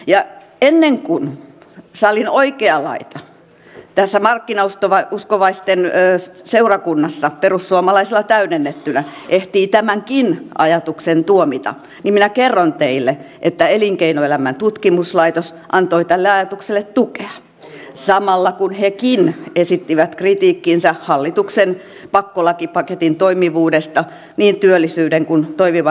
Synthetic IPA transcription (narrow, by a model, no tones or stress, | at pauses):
jɑ | enːeŋkun | sɑlinoikeɑlɑ̰it̪ɑ | t̪æsːæmɑrkːinɑust̪oʋɑuskoʋɑist̪enːseurɑkunːɑsːɑperussuomɑlɑiselːˑɑt̪æynenːet̪ːynæteht̪iːt̪æmæŋkinɑ̰jɑt̪uksent̪uomit̪ɑ̰ | nimminækerːont̪eilːe | ʔet̪ːæeliŋkeinoelæmænt̪ut̪kimuslɑit̪os | ʔɑnt̪oit̪ælːeɑjɑt̪ukselːet̪t̪ukeɑ | sɑmɑlːɑkunhekinesit̪ːiʋæt̪krit̪iːkːinsæhɑlːit̪uksen | pɑkːolɑkipɑket̪int̪oimiʋuːdest̪ɑ | niːnt̪yølːisyːdeŋkunt̪oimiʋɑ